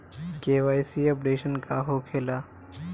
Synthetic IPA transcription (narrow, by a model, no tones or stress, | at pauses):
keːʋaːjsiːəpɖeːʃənkaɦoːkʰeːlaː